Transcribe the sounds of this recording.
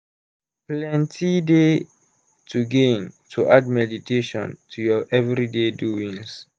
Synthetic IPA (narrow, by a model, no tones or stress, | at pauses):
plɛ̃ntʰide | tʰuɡẽntʰuʔadmɛditʰeʃɔ̰̃ntʰujɔʔɛvɹideduĩŋs